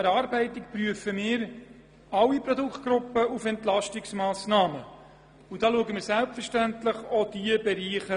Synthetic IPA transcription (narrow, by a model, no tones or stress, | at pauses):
ɛɾɑːɾbɛɪtɪkpryəfəmɪːɾ | ɑwiprodukχt̚ɡ̥ɾʊpəufɛnt̪lɑʃtɪksmɑːsnɑːmə | ud̥ɑːluəɡəmɪːɾsælpfərʃtænt̪ləχod̥iəbɛɾiːχə